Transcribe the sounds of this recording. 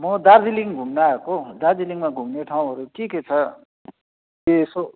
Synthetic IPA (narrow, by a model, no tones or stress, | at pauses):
mʌd̪ard͡ziliŋɡʱumnaʌkod̪ard͡ziliŋmaɡʱumneʈʰaw̃ɦʌɾuʈʰiket͡sʰʌ | jeːso